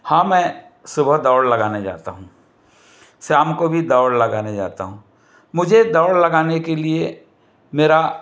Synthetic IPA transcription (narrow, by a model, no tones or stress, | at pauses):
hãːmɛ̃ː | sʊbʱəd̪ɔːɽlɐɡaːned͡ʒa̰ːt̪aɦũː | saːmkobʱid̪ɔːɽlɐɡaːned͡ʒa̰ːt̪a̰ɦũː | mʊd͡ʒʱed̪ɔːɽlɐɡaːnekelie | meːɾa